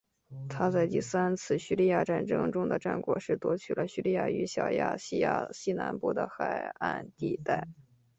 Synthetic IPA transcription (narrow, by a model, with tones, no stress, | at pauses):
t̪ʰa˥t͡sa˥˧ɪt̪i˥˩sa˥nt͡sʰɹ̩˥˩ɕy˥˧li˥˧ja˥˧ʈ͡ʂa˥˩nʈ͡ʂɤ˥ŋʈ͡ʂʊ˥ŋd̪ə˨ʈ͡ʂa˥˩nkwɔ̰˨˩ʂɻ̩˥˩t̪wɔ˥t͡ɕʰy˨˩lʔə˦ɕy˥˧li˥˧ja̰˥˩y˧˥ɕjɑ˨˩ʊja̰˥˩ɕi˥˧ja̰˥˩ɕi˥na̰˧˥npu˥˩d̪ə̰˩xa˨˩ɪa̰˥˧nt̪i˥˧t̪a˥˩ɪ